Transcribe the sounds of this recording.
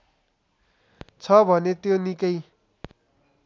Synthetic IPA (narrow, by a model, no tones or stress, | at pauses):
t͡sʰʌbʱʌnet̪jonikʌj